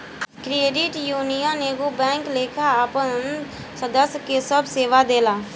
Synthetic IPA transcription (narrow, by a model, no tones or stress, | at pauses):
kɾeːɖɪʈjuːnijəneːɡubɛ̃ːŋkleːkʰaapən | səd̪əsjkesəbseːʋad̪eːlaː